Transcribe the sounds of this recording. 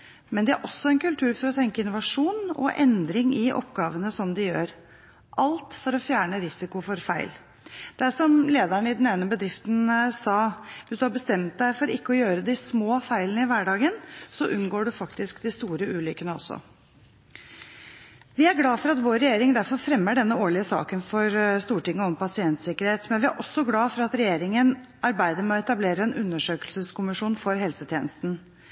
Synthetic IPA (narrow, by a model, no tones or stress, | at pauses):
mɛnd̪ɛæɾʔɔsːɔɛnkʉlt̪ʰʉːɾfɔɾɔt̪ʰɛŋkəɪnʊʋɑʂuːnɔ̰ʔɛ̰nd̪ɾɪŋɪʔɔ̰pɡɑːʋənəsɔmd̪ɪjøːɾ | ʔɑlt̪fɔɾɔfjæːɳəɾɪsɪkʊfɔɾfæɪl | d̪̥æʂɔmleːd̪æɳɪd̪n̩eːnəbəd̪ɾɪft̪nsɑːʋɪsd̪ʉhɑɾbəst̪ɛmt̪̚d̪æɪfɔɾɪkːəɔjøːɾəd̪ɪsmoːfæɪlənəɪʋæɖɑːɡənsɔʔʉnɡoːɖʉfɑkt̪ɪskd̪ɪst̪uːɾəʉːlʏkənəɔ̰sːɔ̰ | ʋɪæɾɡlɑːfɔɾɑt̪ʋoːɾːɛjeːɾɪŋd̪æɾfɔɾfɾɛmːəɖɛnːəoːɭɪəsɑ̰ːkənfɔɾst̪uːʈɪŋːəɔmpɑsɪɛnt̪sɪkəɾheːt̪mɛnʋɪæɾʔɔsːɔɡlɑːfɔɾɑt̪ɾɛjeːɾɪŋən | ʔɑɾbæɪd̪əɾmɛɔɛt̪ɑbleːɾəɛnʔʉnːəʂøːkəlsəskʊmɪʂuːnfɔɾɦɛlsət̪ʰjeːnəst̪n̩